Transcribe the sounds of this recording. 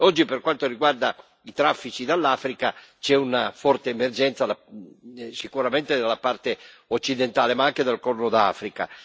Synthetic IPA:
ɔd͡ʒːiperkwant̪oɾiɡward̪a | it̪ɾafːit͡ʃid̪alːaːfɾikat͡ʃɛunafɔrt̪eːmerd͡ʒɛnt̪sad̪a | sikuɾament̪ed̪alːapart̪e | ot͡ʃːid̪ent̪aːlemaaŋk̟ed̪alkɔrnod̪a̰ːfɾika̰

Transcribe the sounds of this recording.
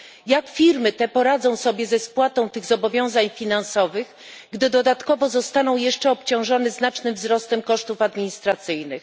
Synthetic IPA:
jakfʲiɾmɘt̪ɛpɔɾad̪zɔ̃w̃sɔbʲjɛzɛspwat̪ɔ̃w̃t̪ɘɣzɔbɔvʲjɔ̃w̃zaɲfʲinansɔvɘɣ | ɡd̪ɘd̪ɔd̪at̪kɔvɔzɔst̪anɔ̃w̃jɛʂt͡ʂɛɔpt͡ɕɔ̃w̃ʐɔnɛznat͡ʂnɘmvzɾɔst̪ɛmkɔʂt̪ufad̪mʲiɲist̪ɾat̪sɘjnɘx

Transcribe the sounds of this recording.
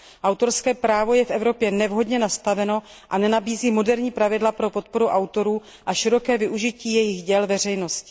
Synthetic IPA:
ʔawt̪o̞ɾskɛːpɾaːvo̞jɛfʔɛvɾo̞pjɛnɛvɦo̞dɲɛnast̪avɛno̞ | ʔanɛnabiːziːmo̞dɛɾɲiːpɾavɪdlapɾo̞po̞t̪̚po̞ɾuʔawt̪o̞ɾuː | ʔaʃɪɾo̞kɛːvɪʔuʒɪciːjɛjɪɣɟɛlvɛr̝ɛjno̞scɪ̥

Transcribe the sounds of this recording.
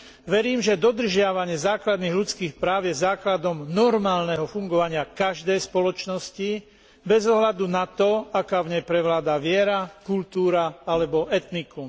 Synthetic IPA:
ʋɛɾiːmʒɛd̪ɔd̪r̩ʒɪaʋaɲɪɛzaːklad̪niːɣlut͡skiːxpɾaːʊjɛzaːklad̪ɔmnɔɾmaːlnɛɦɔfuŋɡɔʋaɲɪakaʒd̪ɛjspɔlɔt͡ʃnɔsci | bɛzɔɦlad̪unat̪ɔakaːvɲɛjpɾɛʋlaːd̪aːʋɪɛɾakult̪uːɾaalɛbɔʔɛt̪niku

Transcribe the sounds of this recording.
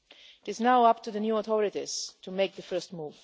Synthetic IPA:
ɪtɪznaʊʌp̚tuðənjuɔθɔɹɪtiz̥tʰumeɪk̚ðəfɜ˞stmuːv̥

